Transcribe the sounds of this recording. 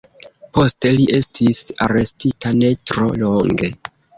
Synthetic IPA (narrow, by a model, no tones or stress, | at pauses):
po̞ste̞liʔe̞stʰisa̰ɾe̞stitʰane̞tɾo̞loŋɡe̞